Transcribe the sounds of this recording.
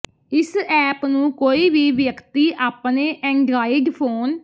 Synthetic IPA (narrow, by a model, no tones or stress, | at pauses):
ɪsɛːpnũːkoːiːbiːʋjəkt̪iːʔaːpneːʔɛ̃ːɳɖɾaːɪɖpʰoːn